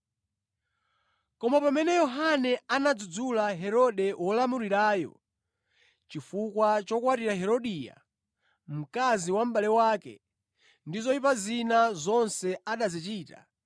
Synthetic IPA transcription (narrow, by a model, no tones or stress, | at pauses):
kɔmapamɛnɛjɔɦanɛanad͡zud͡zulaɦɛɾɔɗɛwʔɔlamuɾiɾaːjɔ̰ | t͡ʃifukwat͡ʃɔkwatiɾaɦɛɾɔɗiːja̰ | m̩kaziwam̩ɓalɛwaːkɛ̰ | ndizɔipazinazɔnsɛaɗazit͡ʃiːta̰